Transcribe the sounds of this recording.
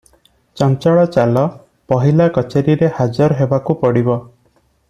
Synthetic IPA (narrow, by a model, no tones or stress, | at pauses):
t͡ʃɔnt͡ʃɔɭɔt͡ʃalɔ | pɔɦilakɔt͡ʃeɾiɾehad͡ʒɔɾɦebakupɔɽibɔ